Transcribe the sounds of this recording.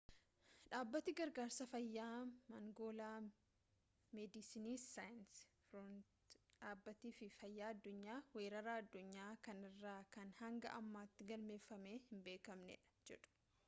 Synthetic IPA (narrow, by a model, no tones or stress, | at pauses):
ᶑaːbːɐt̪iɡɐɾɡaːɾsɐfɐjːaːmɐŋɡo̞ːlaː | mɛd̪ɪsiniːajnsfɾɔnt̪ | ᶑaːbːɐt̪iːfɪfɐjːaːɐd̪ːʊɲːaːwe̞ːɾɐɾaːɐd̪ːʊɲːaːkɐnɪrːaːkɐnhɐŋɡɐ̰ʔɐmːaːt̪ːɪɡɐlme̞ːfːɐmeːhɪmbe̞ːkɐmnɛ̰ᶑɐ̥d͡ʒɛ̰ᶑʊ̥